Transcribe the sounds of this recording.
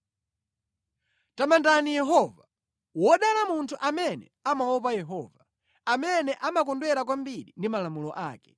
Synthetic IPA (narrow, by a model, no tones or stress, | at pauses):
tamandanijɛɦɔva | wɔɗalamuntʰuʔamɛnɛ̰amawɔpajɛɦɔːva | amɛnɛʔamak̬ɔndwɛɾak̬wambiɾindimalamulɔʔaːkɛ̥